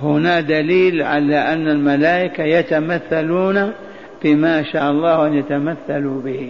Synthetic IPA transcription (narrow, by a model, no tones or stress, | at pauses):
hʊnad̪aliːlʕa̰laʔanːalmalaːʔɪkajat̪amaθːaluːna | fimaːʃaːʔɑlˤːɑːhʔanjat̪amaθːalubɪhi